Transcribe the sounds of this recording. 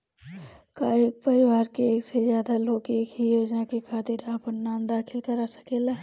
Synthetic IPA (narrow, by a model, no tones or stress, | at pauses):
kaːeːk̚pɐɾɪwaːɾkeeːksezjaːd̪aloːkeːkɦijoːd͡ʒnakekʰaːt̪iːɾaːpənnaːmd̪aːkʰɪlkəɾasɐ̥keːlaː